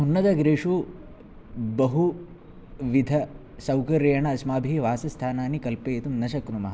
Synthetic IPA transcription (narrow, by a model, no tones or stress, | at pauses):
ɦunːɐd̪ɐɡɾeːʂu | bɐɦu | ʋid̪ʱɐ | sɐwkɐɾjɐɳɐːsmaːbʱiʋaːsɐst̪ʰaːnaːnikɐlpeːt̪umnɐʃɐknumɐɦɐ